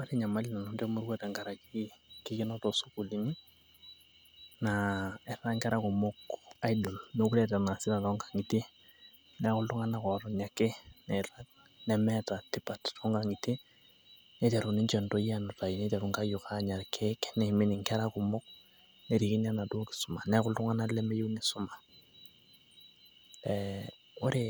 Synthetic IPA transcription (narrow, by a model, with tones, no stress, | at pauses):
ma˦ti˦ɲa˨ma˦li˦na˨nɔ˦nte˦mu˦ɾwɛ˦tɛ˨ŋka˨ɾa˨kiki˦kɪ˦nɔ˦tɔ˨su˦ku˨li˨ni˦ | naɛ˨ra˦ŋkɛ˦ɾakʊ˨mʊ˦ka˦idɔ˨lno˦ku˦lɛ˨ta˨na˨sɪ˦ɾa˨tɔŋɡḁ˨ŋi˨te˦ | nɛ˦kʊ˦ltu˦ŋa˦na˨kɔ˨ɾɔ˨ɲa˨ke˦nɛ˨ɾa˦k | nɛ˨mɛ˦ta˨ti˦pa˨ttɔ˦ŋɡa˨ŋi˨ti˦ | ne˦tɛ˨ɾu˨ni˦ɲt͡ʃɛ˨nto˦ja˦na˨ta˨jne˦tɛ˨ɾu˨ŋka˦ju˨ka˦ɲa˨rkʰe˦knɛ˨mi˦ni˨ŋkɛ˦ɾa˦ku˨mʊ˦k̚ | ne˨ɾi˨ki˦ɲa˦na˨do˦ki̥su˦ma˨nɛ˦kʊ˦ltu˦ŋa˦na˦lɛ˦mɛ˦ju˦ne˦sʊ˦ma˨ | ɛ | o˦ɾe˨